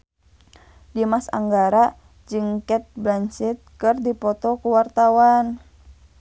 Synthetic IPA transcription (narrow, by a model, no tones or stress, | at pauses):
dimasa̰ŋɡaɾa | d͡ʒɨŋkɛt̪̚blant͡ʃɪt̪̚kɨrdipɔt̪ɔkuwart̪awan